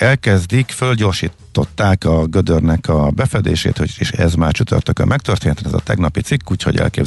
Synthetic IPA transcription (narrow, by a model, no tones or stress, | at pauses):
ɛlkɛzd̪ikfølɟo̞ːrʃiːt̪ːo̞t̪ːaːkɒɡød̪ørnɛkɒbɛfɛd̪ḛːʃḛːt̪hoeʃɛzmaːrt͡ʃyt̪ø̰rt̪økɛ̰mɛk̚t̪ørt̪eːnɛt̪ɛnɛzɒ̰t̪ɛɡnɒpit̪sikːuːcho̞̰ɟɛ̰lkeːb